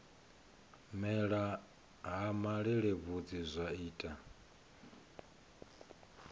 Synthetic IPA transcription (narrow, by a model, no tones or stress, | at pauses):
mɛɺa | ɦamaɺiɺɛβud͡zizʷaiːtʼa